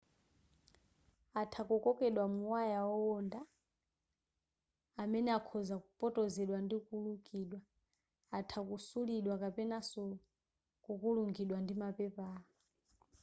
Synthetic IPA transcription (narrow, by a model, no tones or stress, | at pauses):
atʰakɔkɔkɛɗwamuwajaɔɔnda | mɛnɛakʰɔzakupʼɔtʼɔzɛɗwandikulukʼiɗwa | atʰakusuliɗwakapɛnasɔ | kukuluŋɡiɗwandimapɛpa